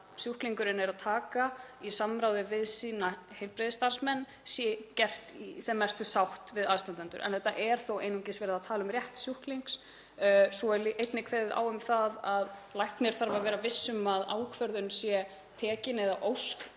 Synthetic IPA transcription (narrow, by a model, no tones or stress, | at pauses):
sjuhkliŋkʏɾɪnɛɾaðt̪ʰaːkaisamːɾawðɪvɪðsiːnahejlpɾɪðɪst̪aɾ̥smɛnː | sjɛcɛr̥t̪isɛmːɛst̪ʏsawht̪vɪðaðst̪ant̪ant̪ʏ̰ɾʔɛ̰nθɛht̪ːa̰ʔɛɾ̥θowḛjnuŋcɪsvɛːɾɪðaðt̪ʰaːlʏmrjɛht̪sjuhkliŋks | sɔɛliʔejt̪nɪkʰvɛːðɪða̰ːwʏmθaðaðlajhknɪɾ̥θaɾvavɛːɾavɪsːʏmaða̰ːwkʰvœɾðʏnsjɛ | t̪ʰɛːcɪnɛðaʔowsk